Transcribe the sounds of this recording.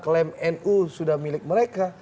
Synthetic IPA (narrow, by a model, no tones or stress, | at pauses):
klɛmɛnusudahmilɪk̚məɾeka